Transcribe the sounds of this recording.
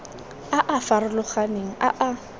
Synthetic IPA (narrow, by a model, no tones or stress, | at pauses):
aʔafaɾʊlʊχaneŋ̩ʔaʔa